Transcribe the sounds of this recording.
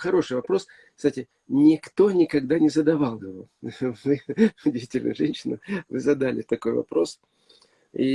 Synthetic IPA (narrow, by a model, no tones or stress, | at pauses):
xɐɾo̞ʂɨjvɐpɾo̞s | kst̪atʲɪ | nʲɪkt̪o̞nʲɪkɐɡd̪anʲɪzəd̪ɐvalˠjɪvo̞̰vɨʊdʲvʲitʲɪlʲnʊ̰jʐɛnʲɕːɪnʊvɨzɐd̪alʲɪ̰t̪ɐko̞jvɐ̰pɾo̞s | ḭ